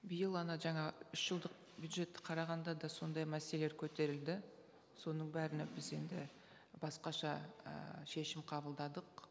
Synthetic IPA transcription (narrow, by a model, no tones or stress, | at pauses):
bɪjəlˠɑnɑʒɑɴɑʏʃʒ̥əlˠd̪əq̚ | bjud̪ʒe̞t̪ːɪ̥qʰɑɾɑʁɑnd̪ɑd̪ɑso̞nd̪ɑjmæseleleɾkʲʰɵt̪e̞ɾɪld̪ɪ | so̞nəɴbæɾɪnɪbɪze̞nd̪ɪ̰ | bɑsqɑʃɑə̰ʃe̞ʃɪmqʰɑbəlˠd̪ɑd̪əq